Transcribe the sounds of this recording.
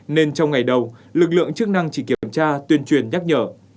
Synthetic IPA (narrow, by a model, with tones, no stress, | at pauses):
ne˧nt͡ɕɔ˧wŋ͡mŋa˨˩jɗə˨˩wlɨ˨˩k̬̚lɨ̰˧˨əŋt͡ɕɨ˦˥k̚na˧ŋt͡ɕi˧˩ki˧˩əmt͡ɕaː˧t̪wi˧ənt͡ɕwi˨˩ənɲa˦˥k̚ɲəː˧˩